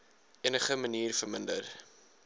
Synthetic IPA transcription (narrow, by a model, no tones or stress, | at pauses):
iənəχəməniːrfərməndə̰r